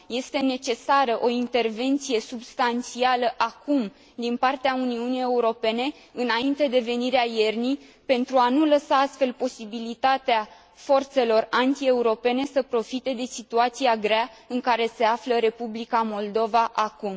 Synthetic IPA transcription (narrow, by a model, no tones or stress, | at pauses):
je̞st̪e̞ne̞t͡ʃe̞saɾəʔo̞int̪e̞rve̞nt̪sije̞subst̪ant̪sialəʔakum | d̪inpart̪eauniunije̞uɾo̞pe̞ne̞ | ɨnaint̪e̞d̪e̞ve̞niɾeaje̞rnij | pe̞nt̪ɾuanuləsaast̪fe̞lpo̞sibilit̪at̪ea | fo̞rt̪se̞lo̞rant̪ie̞uɾo̞pe̞ne̞səpɾo̞fit̪e̞d̪e̞sit̪uat̪siaɡɾeaɨŋkaɾe̞se̞afləɾe̞publikamo̞ld̪o̞vaʔakum